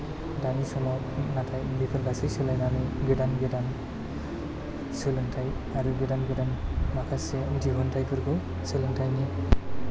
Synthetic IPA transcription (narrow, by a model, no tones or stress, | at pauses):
danisɔmɔ | natʰajbipʰɯɾɡasisɯlajnanɯjɡidanɡedan | sɯlɯŋtʰaj | aɾuɡedanɡɯdanmakʰasediɦɔntʰajpʰɯɾkʰɯ | sɯlɯŋtʰajni